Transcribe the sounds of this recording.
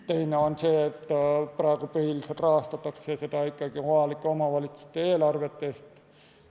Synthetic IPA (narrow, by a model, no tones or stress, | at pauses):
t̪e̞jneonseːet̪ːprɑˑekupyhiliselt̪rɑɦɑst̪ɑt̪ːˑɑkseset̪ɑikˑːɑɡ̥ioɑlikːˑeomɑʋɑlit̪su̥st̪ːˑeeːlɑrʋet̪ːest̪